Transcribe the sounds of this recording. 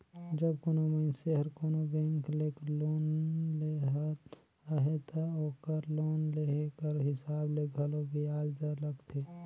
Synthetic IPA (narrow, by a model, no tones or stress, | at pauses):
d͡ʒəbkonomənseɦəɾkoːnobɛ̃ːŋkleːkloːnleɦ | ɦet̪ʰaoːkəɾloːnleɦkəɾɦɪsaːbleɡʱəlobiaːd͡ʒd̪ələɡt̪ʰeː